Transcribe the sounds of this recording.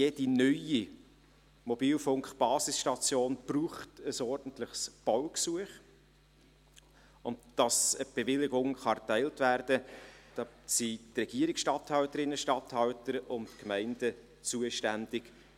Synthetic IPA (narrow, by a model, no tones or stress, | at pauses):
jeːd̥inœji | mɔbiːlfʊŋkχb̥ɑːsɪsʃtɑt͡sjoːnb̥ruːχtəsɔɾd̥ən̩tləχsb̥ɔwksuəχ | ʊndd̥ɑsəb̥evɪlɪɡʊŋχɑtæɪltvæːrd̥əd̥ɑsitrɛɡ̥iːəɾɪksʃtɑthɑwtəɾɪnːəʃtɑthɑwtəɾʊntkmæɪnd̥ə | t͡suəʃtænd̥ɪk